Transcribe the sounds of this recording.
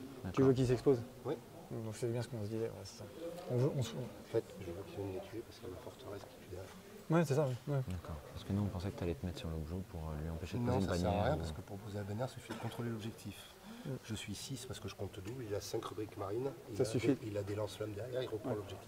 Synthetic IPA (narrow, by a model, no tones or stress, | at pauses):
d̪akt̪yvwak̬ils̬ɛkspoz | wɛ | d̪ɔ̃ksɛɛbjɛ̃sə̥kɔ̃sd̪izɛwɛ̰ase̥saɔ̃vʔɔ̃sɔ̃ | fɛt̪ʒəvøkʲivɛnlɛt̪ʰyepaʁsəkamafɔʁt̪əʁɛskʲi̥t̪yd̪ɛʁjɛʁ | wɛsɛsawɛwɛd̪akɔːʁpaʁsə̥kənuɔ̃pɑ̃sɛkə̥t̪yalɛt̪əmɛt̪χsyʁlobʒopʰuʁølɥiɑ̃peʃed̪nɔ̃ɑ̃pɲɛʁʁjɛ̃paskəpuʁpozeabanjɛʁsyfid̪əkɔ̃t̪χolelɔbʒɛk̚t̪ʰif̩ | ʒ̥əsɥisispaʁsə̥kəʒəkɔ̃t̪d̪uilasɛ̃kʁəbʁikmaʁinisasyfiilad̪elɑ̃slɔmd̪ɛʁjɛʁilʁəpχχɑ̃lɔbʒɛk̚t̪i